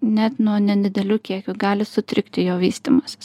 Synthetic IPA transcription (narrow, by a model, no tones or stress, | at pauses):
nʲɛt̪nuɔnʲɛd̪ʲɪd̪ʲɛlʲuːkʲiɛkʲʊɡɑːlʲɪsʊt̪ʲɾʲɪkt̪ʲɪjoːʋʲiːst̪ʲiːmɐsʲɪ̥s